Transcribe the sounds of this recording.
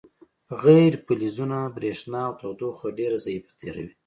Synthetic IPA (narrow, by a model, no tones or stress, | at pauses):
ɣajɾpalizunabɾeʂnɑːwt̪awd̪oxaɖeɾazajifḁt̪ʰeɾa̰wi